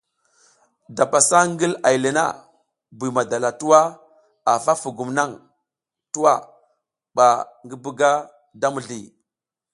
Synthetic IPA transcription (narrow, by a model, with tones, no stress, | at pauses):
da˨pa˨sa˦ŋɡi˦la˨i˨le˨na̰˦˨ | bi˨ma˨da˨la˨tu˦wa˦ | a˨fa˦fu˨ɡu˨mna˦ŋ | tu˦wa˦˨ | ɓa˨ŋɡi˦bu˦ɡa˦ | da˦mu˨ɮi˨